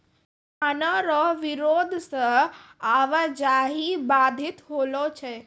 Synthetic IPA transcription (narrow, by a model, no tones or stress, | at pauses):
k̪ʰanəɾɔʋɪɾoːd̪ʱsə̃aʋəd͡ʒaːɦibaːd̪ʱɪt̪ɦoːlot͡ʃʰe